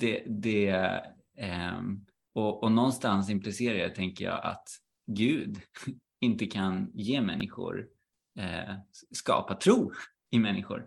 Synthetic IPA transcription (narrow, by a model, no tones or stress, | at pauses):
d̪̥ɛd̪ɛ | ɔɔnɔnːst̪ans̬ɪmplɪseːɾaət̪ʰɛŋkəjɑ̰ːʔa̰t̪ | ɡʉ̟ːd̪ | ɪnt̪əkʰanjeːmɛ̰nːɪɧʊ̰ɾ | ɛskɑ̰ːpat̪ʰɾuː | ɪmɛnːɪɧʊ̰ɾ